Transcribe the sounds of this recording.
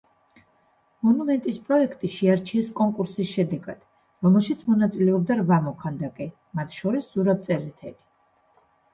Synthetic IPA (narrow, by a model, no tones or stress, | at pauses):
mɔnumɛnt̪ʼispʼɾɔɛkʰt̪ʼiʃɛaɾt͡ʃʰiɛskʼɔŋkʼuɾsisʃɛd̪ɛɡad̪̥ | ɾɔmɛlˠʃit̪sʰmɔnat̪sʼilɛɔb̚d̪aɾvamɔkʰand̪akʼɛ | mat̪ʰʃɔɾisz̥uɾab̚t̪sʼɛɾit̪ʰɛli